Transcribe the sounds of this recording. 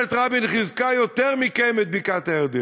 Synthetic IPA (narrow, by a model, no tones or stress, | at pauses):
et̪ʁabinχizkajot̪ɛʁmikɛmɛt̪̚bikat̪ɛʁd̪i